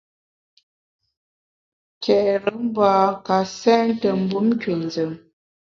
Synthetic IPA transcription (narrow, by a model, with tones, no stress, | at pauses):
kʰɛ˨ʔɾə˨˦m̩˦baː˨ka˨sɛ˦n˦tə˨m̩˨bu˦m˦kɥe˨n˨d͡zə˨m